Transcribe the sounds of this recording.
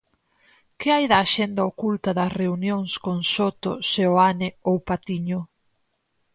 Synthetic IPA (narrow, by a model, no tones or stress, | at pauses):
kɪajðɐːʃɛnd̪aokult̪ɐðɐsreunjoŋskoŋsot̪o̰seoanɪowpat̪iɲʊ